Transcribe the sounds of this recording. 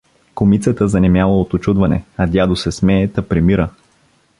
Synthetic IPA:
komit̪sət̪əzɐnɛmjalˠəot̪ot͡ʃud̪vɐnɛ̰ɐd̪ʲjad̪osɛsmɛːt̪ɐpɾimiɾə

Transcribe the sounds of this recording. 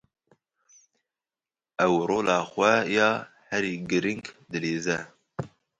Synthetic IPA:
ɛwɾoːlɑːxʷɛjɑːhɛɾiːɡɨɾɨŋkd̪ɨleːzɛ

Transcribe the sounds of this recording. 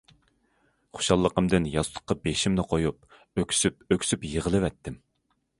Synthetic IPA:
χo̥ʃɑlˠːəqəmd̪ɪnjɑst̪ʰˠʊ̥qːɑbeʃimnɪqʰojup̚ | økʲʰsyp̚økʲsypjəʁəlˠɨvɛt̪ʰːɪm

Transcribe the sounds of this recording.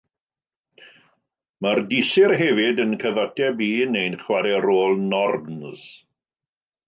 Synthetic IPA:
mardɪsɪrɦɛvɪdənkʰəðatʰɛbiːnejnχwaɾɛɾoːlˠnɔrnz̥

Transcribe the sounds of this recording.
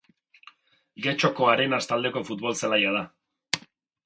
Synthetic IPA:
ɡe̞t͡ʃo̞ko̞aɾe̞nast̪ald̪e̞ko̞fut̪̚βo̞lsalajað̞a

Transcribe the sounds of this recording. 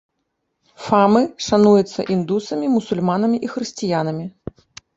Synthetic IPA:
famɨʂanujut̪sːɐ̰ʔind̪usɐmʲimusulʲmanɐmʲiʔixɾɨsʲt͡sʲijanɐmʲi

